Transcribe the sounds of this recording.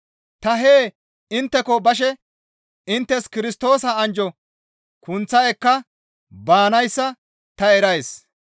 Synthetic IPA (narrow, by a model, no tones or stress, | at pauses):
t̪ɐɦeː | ɪnt̪ːɛkɔbɐʃ̬ɛ | ɪnt̪ːɛskɪɾɪst̪o̞ːsɐːnd͡ʒɔ | kʊnt͡sːɐjɛkːɐ | baːnɐjsːɐ | t̪ɐɛɾɐjs